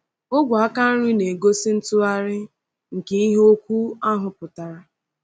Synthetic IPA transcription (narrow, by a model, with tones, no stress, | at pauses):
ʊ˦ɡʷa˨a˦ka˦n̩˦ɾi˦ne˨ɡo˦sɪ˦n̩˦tʊ˦a˦ɾɪ˦ | ŋ̩˨ke˨i˦ɦo˦kʷu˦a˦ɦʊ˨pʊ˨ta˨ɾa˨